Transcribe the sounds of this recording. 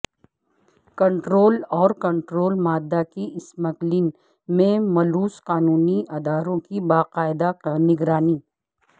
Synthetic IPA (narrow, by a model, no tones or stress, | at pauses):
kɐ̃ɳʈɾoːlɔːɾkɐ̃ɳʈɾoːlmaːd̪ːakiɪsmɐklin | mẽmɐluːsqaːnuːniʔaːd̪aːɾõkibaːqaːɪd̪akanɪɡɾaːniː